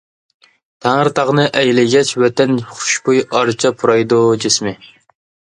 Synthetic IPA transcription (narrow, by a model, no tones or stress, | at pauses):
t̪ʰæŋəɾt̪ʰɑʁnɨʔɛjlɪɡʲɛt͡ʃwɛt̪ɛnχʊ̥ʃbujɑɾt͡ʃʰɑpʰuɾɑjd̪ud͡ʒɪsmɪ